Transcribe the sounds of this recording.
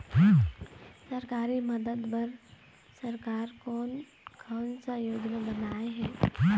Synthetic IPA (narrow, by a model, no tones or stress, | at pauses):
səɾkaːɾiməd̪əd̪bɐɾ | səɾkaːɾkoːn | kʰaːnsajoːɡnabənaːeɦɛː